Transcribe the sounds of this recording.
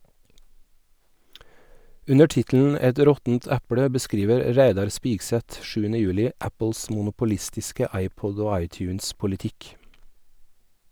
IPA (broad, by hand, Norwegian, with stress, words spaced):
ˈʉnə ˈʈɪtln̩ ˈɛt ˈɾɔtn̩t ˈæpɽə bəˈskɾiːʋəɾ ˈɾæɪdɑɾ ˈspiːɡsɛt ˈʃʉːənə ˈjʉːlɪ ˈʔæpl̩s mʊnʊpʊˈlɪstɪskə ˈɑɪˌpɔd ˈoː ˈɑɪˌtjʉːnspʊlɪˌtɪk